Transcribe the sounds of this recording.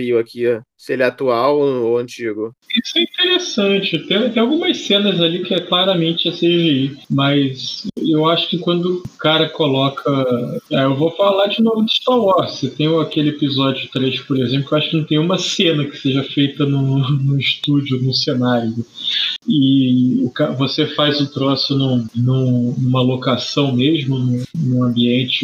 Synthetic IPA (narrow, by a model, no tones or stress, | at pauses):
iʊakʰisɪelɛat̪uawoɐ̃nt͡ʃiɡʊisʊɛĩt̪eɾesɐ̃t͡ʃɪt̪ẽj̃t̪ẽawɡũmɐssẽnɐzalikɪɛklaɾɐmẽnt͡ʃɪaseʒeimɐsewaʃʊ̥kɪkwɐ̃nd̪ʊkaɾɐkolɔkʰɐɛewvofalad͡ʒɪnomɪd̪ɪʃt̪aɾwɔɾset̪ẽj̃ʊakelɪepizɔd͡ʒʊt̪ɾejʃpoɾezẽplʊkewaʃʊ̥kɪnɐ̃w̃t̪ẽj̃ũmɐsẽnɐkɪ̥seʒɐfejt̪ɐnʊ̃nʊ̃iʃt̪ud͡ʒonʊsenaɾjʊ | ɪʊkavosefajzʊt̪ɾosɪnũnũnũmɐlokasɐ̃w̃meʒmʊnũnũɐ̃mbiẽnt͡ʃɪ